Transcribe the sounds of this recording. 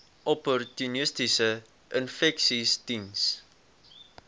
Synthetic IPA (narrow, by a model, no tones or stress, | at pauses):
ʔɔpɔrtunəstisə | ʔənfɛksistins